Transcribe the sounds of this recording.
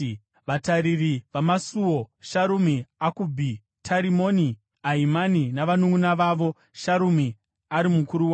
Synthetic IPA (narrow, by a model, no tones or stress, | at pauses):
ʋataɾiriʋamasuo̞ʃaɾumiakubʱi | tʰaɾimo̞ni | aimaninaʋanuŋunaʋaʋo̞ | ʃaɾumi | aɾimukuɾuwa